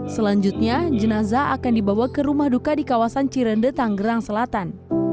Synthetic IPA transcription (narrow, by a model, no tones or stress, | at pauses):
səlaɲd͡ʒut̪̚ɲad͡ʒənazaakandibawakəɾumahdukadikawasant͡ʃiɾəndət̪aŋɡəɾaŋsəlat̪an